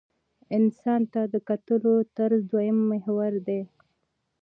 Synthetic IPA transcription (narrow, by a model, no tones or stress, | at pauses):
ɪnsɑnt̪ad̪əkat̪əlot̪aɾzd̪wajəmːɪhwaɾd̪e